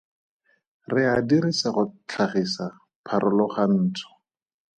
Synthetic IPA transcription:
rɪadiɾisaχʊt͡ɬʰaχisa | pʰaɾʔʊlɔχan̩ːt͡sʰɔ̥

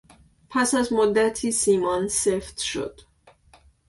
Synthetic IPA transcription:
pʰæsæzmod̪ːæt̪ʰiːsiːmɒnseft̪ʃo̰d̪̥

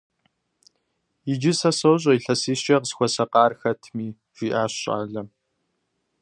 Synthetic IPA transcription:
ɪd͡ʒɪsɐsowɕ̬ʼɐiɬɐsiːst͡ʃʼɐqəzxʷɔsɐqɑːrxɐtʰmiː | ʒ̥iːʔaːɕʼa̰ːɮɐ

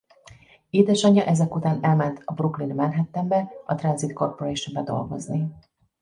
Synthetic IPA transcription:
eːd̪ɛʃɒɲːɒʔɛzɛkut̪aːnɛlmɛnt̪ɒbruklinmɛnɦɛt̪ːɛmbɛɒt̪rɒnzit̪ko̞rpoɾɛːʃombɛd̪o̞̰lɡo̞̰zni

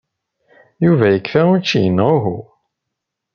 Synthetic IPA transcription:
juvæjəkːfæʊt͡ʃːijənːʁʊɦu

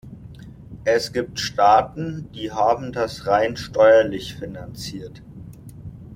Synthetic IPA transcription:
ʔɛsɡ̥iːp̚tʃtaːtn̩d̥iːɦaːbm̩dasʁaɪnʃtɔʏɐlɪçfinant͡siːɐt

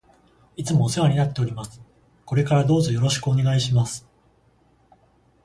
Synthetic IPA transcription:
it͡sɨmo̞ːseβaɲ̟inat̪ːe̞o̞ɾʲimasɨ̥ | ko̞ɾe̞kaɾad̪o̞ːzo̞jo̞ɾo̞ɕi̥kɯone̞ɡaiɕimasɨ̥

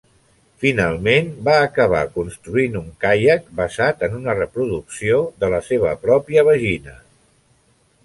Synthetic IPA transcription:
finalˠmenbaːkəβ̞a̰kunst̪ɾuinuŋkajək̚bəzat̪ənunərəpɾuðuksioðələseβ̞əpɾɔpiəβ̞əʒinə

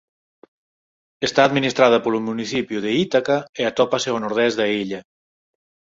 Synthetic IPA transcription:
est̪aːd̪minist̪ɾað̞əpolumːunisipjuðeit̪akaeat̪ɔpaseonuɾð̞ɛzd̪aiʎa

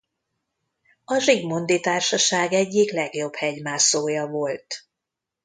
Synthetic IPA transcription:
ɒʒiɡmo̞nd̪it̪aːrʃɒʃaːɡɛɟːiklɛɡjo̞bhɛɟmaːsoːjɒvolt̪

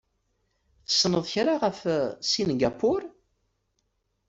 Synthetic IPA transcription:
θə̥sːnəðˤçɾaʁəfsinɡapʊɾ

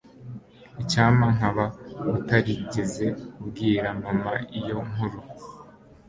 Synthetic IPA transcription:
icaːmaŋaβautaɾiɟe̞ze̞ubɡiːɾamamaijo̞ŋ̥uɾo

